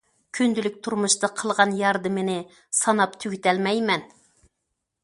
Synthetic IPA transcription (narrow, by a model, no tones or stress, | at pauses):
kʲʰynd̪ylyk̚ʲt̪ʰuɾmuʃt̪ɑqʰəlˠʁɑnjɑɾd̪ɨmɪnɪ | sɑnɑpt̪ʰyɡʲit̪ɛlmɛjmɛn